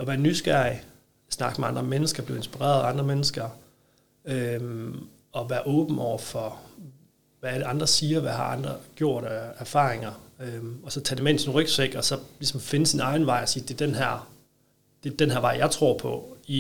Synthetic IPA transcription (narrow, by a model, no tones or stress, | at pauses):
ɒ̽ʋæːɐnːysɡ̥æɐ̰i | snɑ̈ɡ̥meɑ̈nd̥ʁɐmenəsɡ̥ɐb̥le̝ʊe̝nsb̥iʁḛɐðˠɑ̈nd̥ʁɐmenəsɡ̥ɐ | øm | ɒ̽ʋæːɐʔɔ̽ːb̥n̩ɒʊ̰ɐfɒ̽ | ʋææləɑ̈nd̥ʁɐsiːɐʋæhɑ̈ʔɑ̈nd̥ʁɐɡ̥jo̝ɐ̰ɾ̥æɐfɑ̰̈ːʁeŋɐøɒ̽sɒ̽t͡sʰɛdemeen̩sɔ̽nʁœɡ̥sʋeɡ̥ɒ̽sɒ̽lisɒ̽mfe̝nəsːinɑ̈ɪn̩ʋɑ̈ɪɒsiːd̥e̝ɐd̥enɦæɐ̰ | d̥e̝d̥enɦæɐʋɑ̈ɪjɑ̈ɪt͡sʰʁo̝ɐ̰pʰɒ̽i